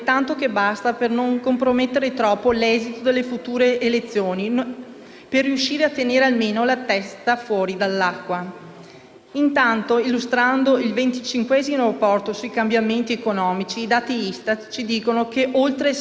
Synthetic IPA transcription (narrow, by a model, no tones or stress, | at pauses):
t̪ant̪okebast̪apernoŋkompɾomet̪ːeɾet̪ɾɔːpːolɛzit̪od̪elːefut̪uːɾeʔːlet̪sːjoːni | perːiuʃiːɾeat̪ːeneːɾealmeːnolat̪ɛst̪afwɔːɾid̪alːakːwa | int̪ant̪oilːust̪ɾand̪oilvent̪it͡ʃiŋkwɛzimoapːɔrt̪osujkambjament̪iekonɔːmit͡ʃiːd̪aːt̪iist̪at̪t͡ʃid̪iːkonokeʔolt̪ɾe